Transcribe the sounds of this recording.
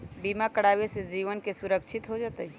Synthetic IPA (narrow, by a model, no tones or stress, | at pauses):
biːmakəɽaːwesed͡ʒiːʋənkesʊɾəkʃʰɪt̪ɦod͡ʒaːt̪ai